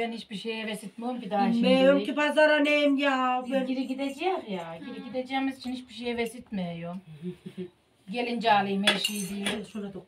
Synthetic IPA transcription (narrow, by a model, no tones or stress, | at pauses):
ɛnhit͡ʃbiʃejɛvesit̪̚muomkid̪aʃmejomkʲipazaɾanenjaafeiɾiɡid̪ed͡ʒɛmjaɟiɾiɡʲid̪ed͡ʒɛmizit͡ʃʰinhit͡ʃbiʃejɛvesit̪mɛjo | ɟelʲind͡ʒaːlˠɯjmeʃijd̪iːlʲo